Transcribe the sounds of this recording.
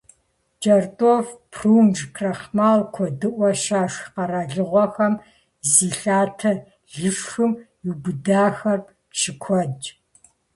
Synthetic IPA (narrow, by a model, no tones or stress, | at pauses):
d͡ʒʼɐrtʼoːfpʰruːnʐkʰrɐχmaːlkʷʰɔdɨʔʷɔʃaːʂqɐraːɮɨʁʷɔxɐm | ziːɬaːtʰɐ | ɮɨʂxɨm | juɡʷʊdaːxɐrp | t͡ʃʰɪkʷʰɔd͡ʒʼ